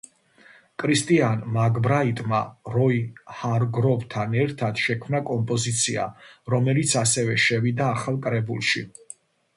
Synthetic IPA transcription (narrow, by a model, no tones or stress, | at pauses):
kʼɾist̪ʼianmaɡbɾait̪ʼma̰ɾɔihaɾɡɾɔvt̪ʰanɛɾt̪ʰad̪̥ʃɛkʰmnakʼɔmpʼɔzit̪sʰia̰ɾɔmɛlit̪sʰasɛvɛʃɛvid̪aːχalˠkʼɾɛbulˠʃḭ